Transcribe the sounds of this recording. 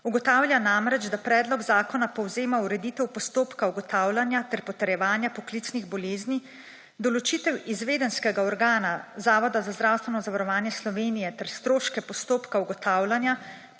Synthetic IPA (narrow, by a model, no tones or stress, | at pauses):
uɡɔt̪aːwlʲjanamɾɛd͡ʒd̪apɾɛːd̪lɔɡzaːkɔnapɔwzeːmauɾɛd̪iːt̪ɛwpɔst̪oːpkauɡɔt̪aːwlʲanjat̪ɛɾpɔt̪ɛɾjɛʋaːnjapɔklit̪sniɣbɔleːzni | d̪ɔlɔt͡ʃiːt̪ɛwizʋeːd̪ɛnskɛɡaɔɾɡaːnazaːʋɔd̪azazd̪ɾaːwst̪ʋɛnɔzaʋaɾɔʋaːnjɛslɔʋeːnijɛt̪ɛɾst̪ɾoːʃkɛpɔst̪oːpkauɡɔt̪aːwlʲanja